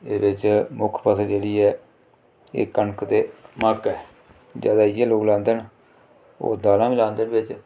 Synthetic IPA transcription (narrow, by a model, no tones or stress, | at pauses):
ɪbɪt͡ʃmʊkʰpʰət̪ʰːd͡ʒeːɽiːɛː | ḛːkənkt̪eːməkɛː | d͡ʒa̰ːd̪aːɪjɛːloːɡlãːnd̪ən | o̰ːd̪aːlãːʋĩːlãːnd̪ənbɪt͡ʃ